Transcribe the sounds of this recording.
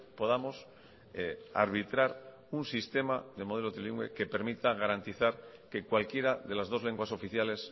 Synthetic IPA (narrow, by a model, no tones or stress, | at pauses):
po̞ð̞amo̞s | a̰ɾβit̪ɾaɾ | unsist̪e̞maðe̞mo̞ð̞e̞lo̞t̪ɾiliŋɡwḛke̞pe̞ɾmit̪aɣ̞aɾant̪iθaɾke̞kwalkje̞ɾaðe̞lazðo̞zle̞ŋɡwaso̞fiθjale̞s